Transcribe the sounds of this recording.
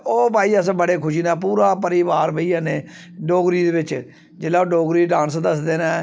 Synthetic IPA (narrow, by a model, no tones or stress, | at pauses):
oːpaːiːəsbəɽeːkʰʊʃiːnaːpuːɾaːpəɾiːʋaːɾbeiːaːneː | ɖoːɡɾiːd̪eːbɪt͡ʃ | d͡ʒeːlaːoːɖoːɡɾiːɖãːnsd̪əsd̪eːnaː